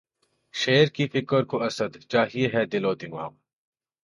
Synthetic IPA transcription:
ʃeːɾkifɪkəɾkoʔɐsəd̪t͡ʃaːɦieɦɛd̪ɪloːd̪ɪŋʋa̰ːm

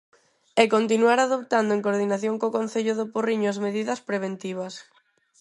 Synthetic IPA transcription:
ekont̪inuaɾaðopt̪and̪oʊeŋkoɾðinaθjoŋkokon̟θeʎʊðʊporiɲoɐzmeðiðɐspɾeβ̞ent̪iβ̞ɐs

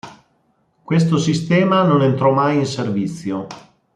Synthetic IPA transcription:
kwes̬t̪osist̪ɛːmanonent̪ɾɔmajinservit̪sːjo

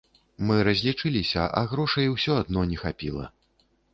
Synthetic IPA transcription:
mɨɾɐzʲlʲit͡ʂɨlʲisʲɐ̰ʔa̰ɣɾɔʂɐjwsʲɔad̪nɔnʲɛxapʲilˠɐ̰

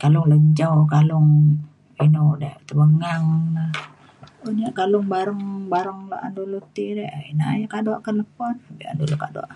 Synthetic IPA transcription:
kalʊŋləɲd͡ʒawkalʊŋ | inudaht̪əbəŋaŋnah | onaʔkalʊŋbaɾəŋbaɾəŋla̰a̰ndulut̪iɾɛʔḭnaa̰jakaduaʔkələpɔnbḭa̰ndulukadua̰ʔ

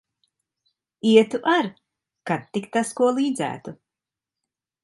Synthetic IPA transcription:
iɛt̪uʔaɾ | kat̪ːikt̪askuɔlˠiːd̪zæ̰ːt̪u

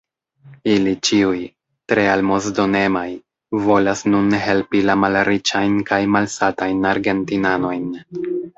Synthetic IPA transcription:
ilit͡ʃiuj | tɾe̞almo̞zdo̞ne̞maj | vo̞lasnunɦe̞lpilamalɾit͡ʃajnkajmalsatajnaɾɡe̞ntinano̞jn

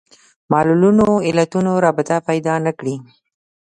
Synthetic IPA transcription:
mɑlulunoɪlat̪unoɾɑbɪt̪apajd̪ɑnakɽi

